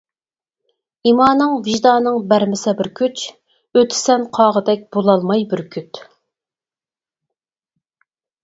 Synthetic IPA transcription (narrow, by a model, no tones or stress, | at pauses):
imɑːnɨŋvɪʒd̪ɑːnɨŋbæɾmɪsɛbɪɾkʲʰyt͡ʃ | øt̪ʰɪ̥sɛnqʰɑːʁəd̪ɛk̚ʲb̥olˠɑlˠmɑjbɪɾkʲʰyt̪